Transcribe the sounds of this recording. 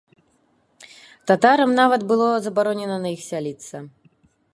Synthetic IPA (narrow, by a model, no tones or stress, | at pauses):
t̪at̪aɾɐmnavɐt̪bɨlˠɔzɐbaɾɔnʲɛnɐnɐixsʲalʲit̪sɐ